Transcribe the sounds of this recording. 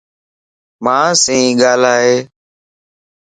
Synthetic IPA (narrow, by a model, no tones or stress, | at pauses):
mãːsĩːɡaːlaːɦeː